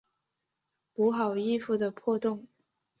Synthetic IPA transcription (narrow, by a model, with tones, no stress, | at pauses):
pu˧˥xɑ˨˩ʊi˥˧fu˥˩d̪ə˩pʰwɔ˥˧t̪ʊ˥˩ŋ